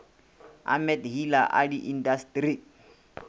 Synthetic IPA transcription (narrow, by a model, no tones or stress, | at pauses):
a̰mɛtɦilaʔa̰diʔindastɾi